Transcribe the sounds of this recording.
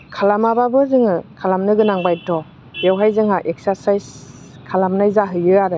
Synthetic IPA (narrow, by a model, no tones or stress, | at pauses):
kʰalamababɯzɯŋɯkʰalamnɯɡɯnaŋbajtɔ | jawɦajzɯŋaʔek̚saɾsajs | kʰalamnajzaɦɯjɯaɾɯ